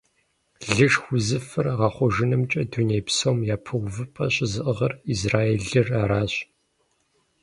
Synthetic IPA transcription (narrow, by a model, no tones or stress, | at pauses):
ɮɨʂxʷʊzɨfɨrʁɑχʷɔʒɨnɨmt͡ʃʼɐduneːjpsowmjaːpʰɨʁʷʊvɨpʰʼɐɕʼɪzɨʔəʁɐrizraːeːɮɨraːɾaːɕʼ